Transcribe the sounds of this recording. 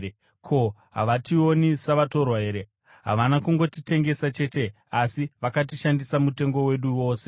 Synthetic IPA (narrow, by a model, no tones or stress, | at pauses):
kʰo̞ɦa̰ʋatio̞nisaʋato̞rwaɦe̞ːɾe | ɦa̰ʋanakuŋɡo̞tite̞ŋɡe̞sat͡ʃe̞te̞ | asiʋakat̬iʃandisamute̞ŋɡo̞we̞ɗuwo̞ːse̞̥